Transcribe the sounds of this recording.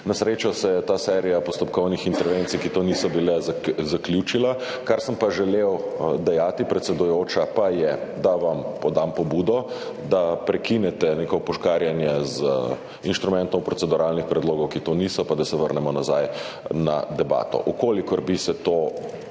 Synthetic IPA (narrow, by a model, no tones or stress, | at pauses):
nasɾet͡ʃɔsɛjɛt̪aːsɛɾijapɔst̪ɔp̚kɔwnixint̪ɛɾʋent̪sikit̪oːnisɔbilɛzzaklʲjut͡ʃila | kaɾsəmpaʒɛlewd̪ɛjaːt̪ipɾɛt̪sɛd̪ujoːt͡ʃapajɛd̪aʋampɔd̪ampɔbuːd̪ɔ | d̪apɾɛkinɛt̪ɛneːkɔpɔʃkaɾjanjɛz | inʃt̪ɾumɛ̃nt̪ɔmpɾɔt̪sɛd̪uɾalnixpɾɛd̪loːɡɔwkit̪oːnisɔpad̪asɛʋəɾnɛmɔnaza̰j | na̰d̪ɛba̰ːt̪ɔ̰ʔukoːlikɔɾbisɛt̪o